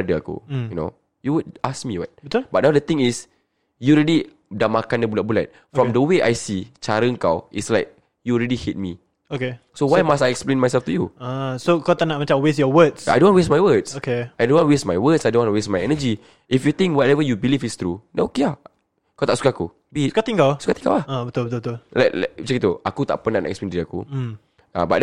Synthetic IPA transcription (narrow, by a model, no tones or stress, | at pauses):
dəa̰kṵjuno̰ | juwud̚askmiwa̰t̚btbat̚nawdət̪ĩŋis | julɹɛdi | damakãndəbulaʔ̚bula̰t̚ | ffɹɔ̃mdəweʔa̰jsit͡ʃaɾəŋkawitslaɪk̚ | julɹɛdihet̚mi | oke | sowajmastajɛksplẽnmajsɛlftujuasokawt̪aʔnaʔ̚mat͡ʃãmwesjɔwətsa̰jdõnwɔnwesmajwətsokeajdõnwɔ̃nwesmajwətsajdõnwɔ̃nuwesmajɛnəd͡ʒi | ʔifjut̪ĩŋkwɔtɛvəjubilifist̪ɾudɛ̃nokea | kawt̪aʔsu̥kaakṵ | bisu̥kat̪ĩŋkasu̥kat̪ĩ̥ŋka̰wahabət̪ulbət̪ubət̪ullaklt͡ʃɛkit̪uakut̪a̰ʔpənanaʔɛksplẽndiɾiakṵ | a̰ba̰d